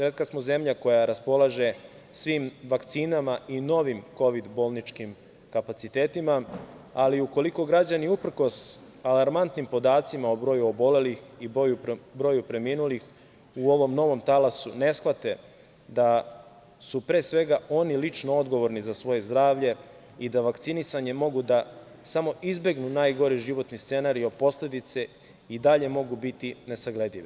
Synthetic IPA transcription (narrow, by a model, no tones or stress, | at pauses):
sɾet̪kasmoze̞mʎako̞jaɾaspo̞laʒe̞ | sʋiːmʋakt̪siːnamaino̞ʋimko̞ʋid̪bo̞lˠnit͡ʃkim | kapat̪it̪eːt̪imaaliuko̞liko̞ɡɾad͡ʑaniupr̩ko̞s | alaɾmant̪nimpo̞d̪aːt̪simaobɾo̞juobo̞le̞lixibojubɾo̞jupɾe̞miːnulix | uo̞ʋo̞mno̞ʋo̞mt̪alasune̞sxʋat̪e̞ | d̪a | supɾe̞ːsʋe̞ɡaʔo̞nilit͡ʂnoo̞d̪ɡo̞ʋo̞ɾnizasʋo̞je̞zd̪ɾaːʋʎe̞ | id̪aʋakt̪sinisaɲe̞mo̞ɡud̪a | samo̞ʔizbe̞ɡnunaːjɡo̞ɾiʒiʋo̞t̪nist̪se̞naɾio̞d̪̚po̞sle̞d̪it̪se | id̪aʎe̞mo̞ɡubit̪ine̞saɡle̞d̪iʋi